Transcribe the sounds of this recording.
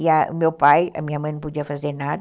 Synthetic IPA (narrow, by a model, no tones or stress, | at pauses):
jamopaja̰miamənpud͡ʒafazenat̚